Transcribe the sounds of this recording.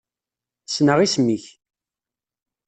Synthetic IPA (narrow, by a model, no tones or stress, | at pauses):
snəʁismiç